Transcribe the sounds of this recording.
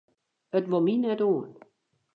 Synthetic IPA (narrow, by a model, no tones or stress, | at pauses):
ətʋominɛtoən